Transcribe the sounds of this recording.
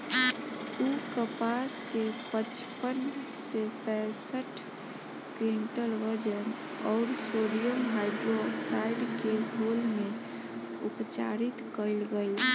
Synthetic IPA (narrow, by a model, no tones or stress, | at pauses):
ukəpaskepət͡ʃpənsepɛ̃səʈʰ | kiɳʈəlʋəɾd͡ʒən | ɔːɾsoɾijəmɦaɪɖɾoksaɪɖkeɦolmẽ | upt͡ʃa̰ɾit̪kəɪlɡəɪl